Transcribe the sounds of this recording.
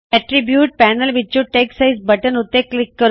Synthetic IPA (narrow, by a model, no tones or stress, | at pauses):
ɛʈɾibjuːʈ̚pænəlʋit͡ɕːũʈeksaisbəʈənut̪ːeklikːəɾ